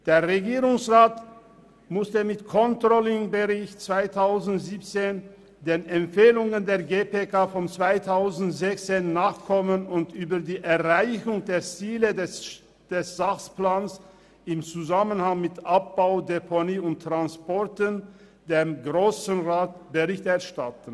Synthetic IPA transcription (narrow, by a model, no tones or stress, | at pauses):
d̥eːɐʁeɡiːʁʊŋsʁaːt | mʊstəmɪtkʰɔntʁ̥ɔlɪŋbəʁɪçtt͡sv̥aɪtʰaʊzn̩tz̥iːp̚t͡seːn | deːnɛmfeːlʊŋəndeːɐɡeːpeːkaːfɔmt͡sv̥aɪtʰaʊzn̩tz̥ɛçt͡seːnːaːχkʰɔmənʊntʔyːbɐdiːʔɛɐʁaɪçʊŋdeːɐt͡siːlədɛ | d̥ɛsz̥aχsplaːns | ɪmt͡suzamənhaŋmɪtʔap̚b̥aʊdepʰoniːʊnttːʁ̥anspɔɐtən | deːmɡʁoːsn̩ʁaːtb̥əʁɪçtɛɐʃtatn̩